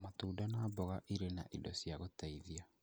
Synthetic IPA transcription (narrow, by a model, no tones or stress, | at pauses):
matuːdanaːbɔɣaʔiɾenaʔidɔsjaɣotaiðia